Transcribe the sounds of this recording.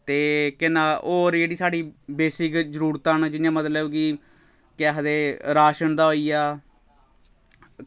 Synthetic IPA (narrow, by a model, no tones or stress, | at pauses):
t̪eːkɪnãːoːɾd͡ʒeːɽiːsaːɖiːbeːsɪkzəɾuːɾt̪aːnd͡ʒɪnjãːmət̪ləbɡiː | kaːɦəd̪eːɾaːʃənd̪aːɦoːiːaː